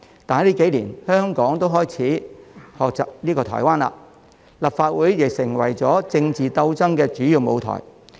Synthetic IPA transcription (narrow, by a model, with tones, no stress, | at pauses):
t̪aː˨n˥liː˥ke˨˥jliː˨˩nhœː˥ŋkɔː˨˥ŋt̪o˥wɦɔː˥jt͡sʰiː˨˥hɔː˨k̚t͡saː˨p̚liː˥kɔː˧t̪ʰɔ̰ː˨˩jwaː˥nla̰ː˧ | lɐ˨p̚faː˧t̚wuː˨˥jːɪ˨k̚sɪ˨˩ŋwɐ˨˩jt͡sɔː˨˥t͡sɪ˧ŋt͡siː˨t̪ɐ˧wt͡sɐ˥ŋkɛː˧t͡ʃyː˨˥jiː˨˧wmo˨˧wt̪ʰɔ̰ː˨˩j